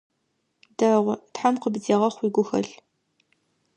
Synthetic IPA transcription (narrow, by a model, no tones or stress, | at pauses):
dɐʁʷtħamqəbziːʁɐχʷiːɡʷʊxɐ̰ɬ